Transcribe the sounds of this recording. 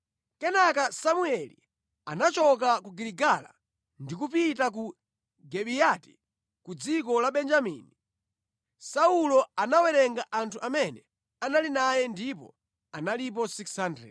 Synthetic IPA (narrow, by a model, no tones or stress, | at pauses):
kɛnakasamuɛlḭ | anat͡ʃɔk̬akuɡiliɡala̰ | ndik̬upitak̬u | ɡɛɓijati̥ | kud͡zik̬ɔlaɓɛnd͡ʒamḭni | saulɔanawɛɾɛŋɡaʔantʰuʔamɛnɛ | analinajɛndipɔ̰ | analip̬ɔsiksandɾɛ̰